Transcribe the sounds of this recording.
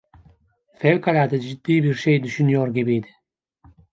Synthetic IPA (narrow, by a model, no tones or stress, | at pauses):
fɛlkʰalaːd̪ɨd͡ʒid̪ːiːbiɾʃejd̪yʃynijoːɾɡʲɛbijd̪i̥